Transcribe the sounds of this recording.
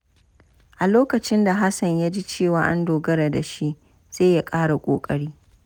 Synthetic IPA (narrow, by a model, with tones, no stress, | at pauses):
ʔa˨loː˦kɐ˨t͡ʃɪ˦nda˨ɦa˦sɐ˨ɲja˦d͡ʒi˦t͡ʃeː˦˨waː˨ʔa˦ndoː˨ɡɐ˦ɾa˨da˨ʃi˦ʔ | z̥eː˦ja˦kʼaː˦ɽa˨kʷʼoː˨kʼɐ˦ɽiː˦